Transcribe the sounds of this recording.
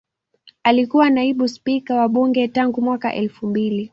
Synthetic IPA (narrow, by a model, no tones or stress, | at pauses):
alikuwanaiɓuspikawaɓuŋɡɛtaŋɡumwaka̰ʔɛlfumbili